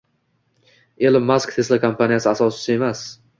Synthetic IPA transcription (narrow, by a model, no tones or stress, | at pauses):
elɪmːaskt̪ʰe̞slakʰampanijasɪasɒsɪ̥sɪe̞mas